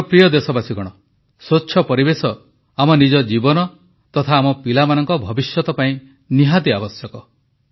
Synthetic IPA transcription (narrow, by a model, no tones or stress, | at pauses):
pɾijɔd̪esɔbasiɡɔɽ̃ɔ | sotːʃʰɔpɔɾibesɔ | amɔnid͡ʒɔd͡ʒibɔnɔ | t̪ɔt̪ʰaːmɔpilamanɔŋkɔbʱɔbisjɔt̪ɔpaĩ | niɦad̪iabɔsjɔkɔ